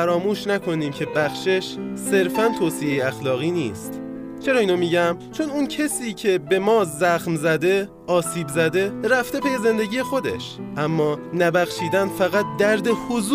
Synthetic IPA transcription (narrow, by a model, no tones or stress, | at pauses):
æɾɒːmuːʃnækʰo̞niːmcʰe̞bæxʃeʃse̞ɾfænt̪ʰoːsijejeæxlɒːɣiːnḭːst̪ | t͡ʃʰe̞ɾɒːiːnomiɟæmt͡ʃʰo̞nuncʰesiːcʰe̞be̞mɒːzæxmzæd̪e̞ | ʔɒːsiːbzæd̪e̞ɾæft̪e̞pʰejeze̞nd̪e̞ɟiːjexo̞d̪e̞̰ʃ | ʔæmːɒːnæbæxʃiːd̪ænfæɣæt̪̚d̪æɾd̪e̞hozu